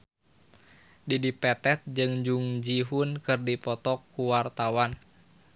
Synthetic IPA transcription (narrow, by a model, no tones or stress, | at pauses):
didipɛt̪ɛt̪̚d͡ʒɨŋd͡ʒuŋd͡ʒiɦunkɨrdipɔt̪ɔkːuwart̪awan